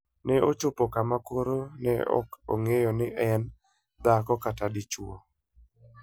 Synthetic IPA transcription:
nɛʔot͡ʃʊpɔkamakoɾonɛ̰ɔ̰ko̰ŋejɔnɪʔɛn | d̪akɔkatadɪt͡ʃuo

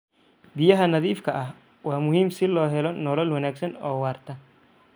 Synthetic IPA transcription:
bɪjɐɦɐnɐðiːfkʰɐʔɐh | waːmʊɦiːmsɪlɔːɦɛlɔnɔlɔlwɐnaːɡsɐnɔːwaːrt̪ʰɐ

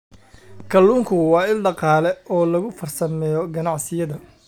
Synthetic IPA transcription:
kʰɐlːuːŋkʰʊwɑːɪlɖɑqɑːlɛɔːlɐɣʊfɐrsɐmɛːjɔɡɐnɑʕsɪjɐðɐ

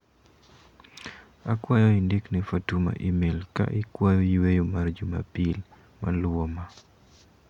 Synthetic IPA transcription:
akwajɔindiknifatuma̰ʔimelka̰ʔɪkwajɔiwejomard͡ʒuma̰pil | ma̰lɔma

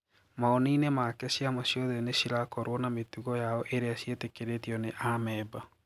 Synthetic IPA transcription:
maɔninemakɛsiamasjɔðɛnesiɾakɔɾwɔnametuɣɔjaɔʔeɾeasjetekeɾetiɔneʔamɛːba

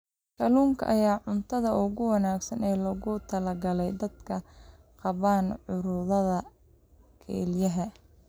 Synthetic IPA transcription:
kʰɐluːŋkʰɐ̰ʔɐjaːʕʊnt̪ʰɐðɐʔʊɣʊwɐnaːɡsɐnɛːlɔɣʊt̪ʰɐlɐɡɐlɛjd̪ɐd̪kʰɐ | qɑβaːnʕʊɾʊðɐðɐ | kʰɛ̰ːljɐɦɐ

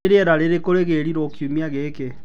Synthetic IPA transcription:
ɾeɛɾaɾeɾekoɾeɣeːɾiɾokjumiaɣeːke

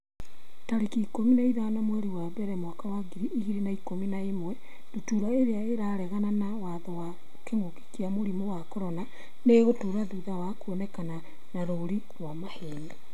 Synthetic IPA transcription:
taɾekiːkominaiðanamwɛɾiwaβɛɾɛmwakawaɡiɾiʔiɣiɾenaikominaemwɛ | ndotuɾaeɾeaeɾaɾɛɣananawaðɔwa | keŋoki̥kiamoɾimowakoɾɔna | neɣotuɾaðuðawakuonɛkana | naɾoːɾi | ɾwamaheɲi

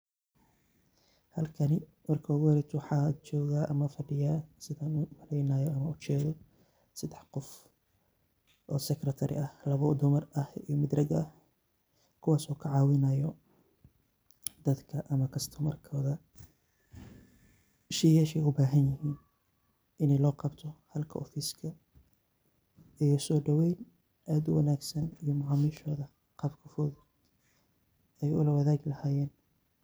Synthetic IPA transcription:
hɐlkʰɐnɪ | mɐrkʰɔːɣɛɾɛt̪ʰwɑħɑːt͡ʃɔːɣaːʔɐmɐfɐɖɪjaːsɪðaːnʊmɐlɛjnɐːjɔɐmɐʊt͡ʃɛːðɔ | sɐd̪ɛħqɔf | ʔɔːsɛkrɐt̪ʰɐɾɪ̰ʔɐhlɐβɔd̪ʊmɐrɐhijɔmɪd̪rɐɡɐɐh | kʰʊwɑːsɔːkʰɐʕɑːwɪnɐjɔ | d̪̥ɐd̪kʰɐʔɐmɐkʰɐst̪ʰʊmɐrkʰɔːðɐ | ʃɪjaːʃɛjʊbaːɦɐnjɪɦiːn | ʔɪnɛjlɔːqɑbt̪ʰɔhɐlkʰɐʔɔfɪskʰɐ | ijɔsɔːɖɐwɛjn | ʔaːd̪ʊwɐnaːɡsɐnijɔmʊʕɑːmiːʃɔːðɐ | qɑbkʰɐfɔːð | ɛjʊ̰lɐwɐðaːɡɪlɐhaːjɛːn

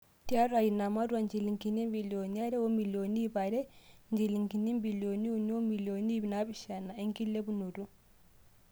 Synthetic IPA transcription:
tiaɾajinamaduwand͡ʒiliŋkinimbilioniaɾɛwɔmilonibaɾɛɲd͡ʒeliŋkinimbilioniuniɔmilionibnabiʃanaiŋkilːebunodu

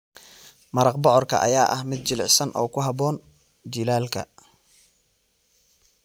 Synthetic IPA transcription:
mɐɾɐqbɔʕɔrkʰɐ̰ʔɐ̰jaːʔɐhmɪd̪̚t͡ʃɪlɪʕsɐnʔɔ̰ːkʰʊɦɑbɔːn | d͡ʒɪlaːlkʰɐ̰

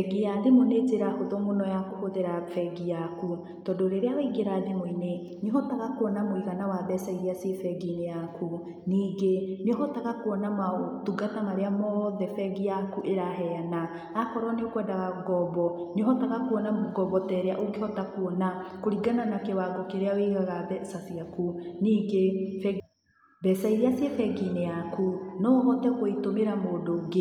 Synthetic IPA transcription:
ɛɡijademoneteɾakotɔmonɔjakokoteɾafɛɡijaku | tɔndoɾeɾeawaiɡeɾaːdemoine | neɔɦɔtaɣakwɔnamoiɣanawaðɛsaiɾiasefɛɡinejaku | niːɡeneɔɦɔtaɣakoɔnamaotuɡatamaɾeamɔðɛfɛɡijakuʔeɾaɦɛanaː | kɔɾɔneokwɛːndaɣaɡɔbɔneɔɦɔtaɣakuɔnamoɡɔbɔtɛɾeaʔoɡehɔtakwɔnakoɾiɡananakewaɡokeɾeaweɣaɣabɛsasiakuniːɡefɛɡ | bɛsaiɾeasiefɛɡinejakunɔɦɔtɛkoitomeɾamoːdoɡe

